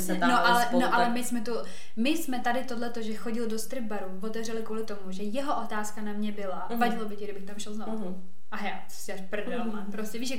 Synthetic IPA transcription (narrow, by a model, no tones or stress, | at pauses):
ɛt̪anoʔalɛnoʔalɛmɪsmɛt̪u | mɪsmɛt̪adɪt̪odlɛt̪oʒɛxo̞ɟɪldo̞st̪ɾɪb̚baɾuvo̞t̪ɛvr̝ɛlɪkvuːlɪt̪o̞muʒɛjɛɦoʔot̪aːskanamɲɛbɪla | vaɟɛlobɪcɪɡɾdɪbɪxt̪amʃɛlzno | ʔaɦɛat͡so̥saʃpr̩dɛɾomanpɾoscɛviːʃɛ